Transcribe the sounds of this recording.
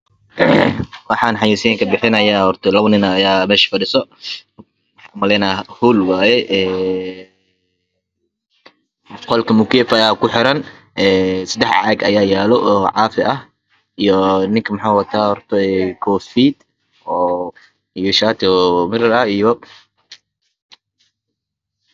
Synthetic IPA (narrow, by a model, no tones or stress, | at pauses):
wɑħaːnħɑjiːsiŋkʰɐbɪħɪnɐjahɔrt̪ʰɔlɐβnɪnɐːjaːmɛːʃɪ̥fɐɖɪsɔ | ħamɐlɛnahuːlwaːjɛʔɛː | qɔlkʰɐmʊkɛːfɐjaːkʊħɪɾɐn | ɛːsɐd̪ɛħa̰ɐɡɐ̰jaːjaːlɔʔɔʕɑːfɪʔɐh | ijɔnɪŋkʰɐmɐħaːwɐt̪ʰaːhɔrt̪ʰɔɛkʰɔːfiːd̪ | ɔː | ijɔʃaːt̪ʰɔmɪɾɐɾɐijɔ